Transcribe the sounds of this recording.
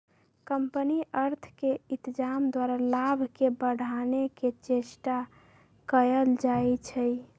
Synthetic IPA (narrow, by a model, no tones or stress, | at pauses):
kəmpəniəɾt̪ʰkeit̪d͡ʒamd̪waɾalabʱkebəɽ̤ʱaneket͡ʃesʈa | kəjəld͡ʒaet͡ʃʰəj